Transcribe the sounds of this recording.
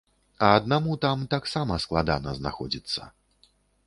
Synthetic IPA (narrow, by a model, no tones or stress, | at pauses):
ɐːd̪̚namut̪amt̪aksamɐsklˠad̪a̰nɐ̰zna̰xɔ̰d͡zʲit̪sːɐ̰